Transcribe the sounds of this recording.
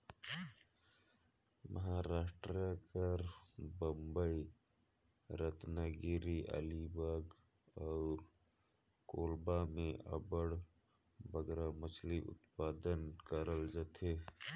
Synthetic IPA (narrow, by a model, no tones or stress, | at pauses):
mʔəɦaɾaːʃʈɾakəɾbə̃mbəi | ɾət̪naɡiɾiʔə̰libaɡ | ɔʊɾ | koːlbamẽʔə̰bəɽ | bəɡɾamət͡ʃʰliʔʊ̰t̪paːd̪ənkəɾəld͡ʒat̪ʰe